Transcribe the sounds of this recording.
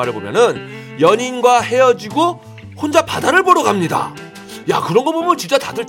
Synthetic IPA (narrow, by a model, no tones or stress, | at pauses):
aɾɯɭbomjʌ̰nɯn | jʌɲinɡwahe̞jʌd͡ʑiɡo | hond͡ʑapadaɾɯɭboɾʌɡamɲida̰ | ja̰kɯɾʌnɡʌbomjʌnt͡ɕint͡ɕ͈atadɯɭ